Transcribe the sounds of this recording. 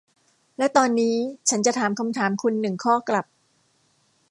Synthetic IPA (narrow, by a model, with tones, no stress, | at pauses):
lɛ˦˥t̪ɔː˧nːiː˦˥t͡ɕʰa˦˥nt͡ɕa˨˩t̪ʰaː˩˦mkʰa˧mt̪ʰaː˩˦mkʰu˧nːɯ˨˩ŋkʰɔː˥˩kla˨˩p̚